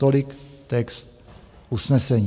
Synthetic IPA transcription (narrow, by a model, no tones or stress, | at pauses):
olikt̪ɛkst̪̚ | usnɛsɛɲ